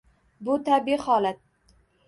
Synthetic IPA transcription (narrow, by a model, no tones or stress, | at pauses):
bʊt̪ʰabihɒlat̪̚